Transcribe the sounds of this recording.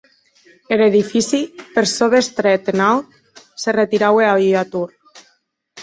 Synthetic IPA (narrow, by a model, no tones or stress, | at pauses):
eɾeðifisipeɾsoðest̪ɾet̪enawt̪̚ | seret̪iɾaweaβiat̪uɾ